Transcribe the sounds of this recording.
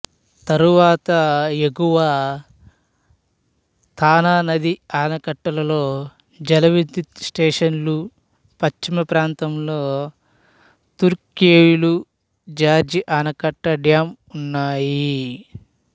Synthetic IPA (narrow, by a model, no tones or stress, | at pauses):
t̪ɐɾuʋaːt̪ɐeɡuʋa | t̪ʰaːnaːnɐd̪iaːnɐkɐʈːɐlɐlo̞ː | d͡ʒɐlɐʋid̪isʈeːʂɐnlu | pɐt͡ʃt͡ʃimɐpɾaːnt̪ɐmlo̞ː | t̪uɾkeːjulu | d͡ʒaːɾd͡ʒiʔaːnɐkɐʈːɐɖjaːm | unːaːji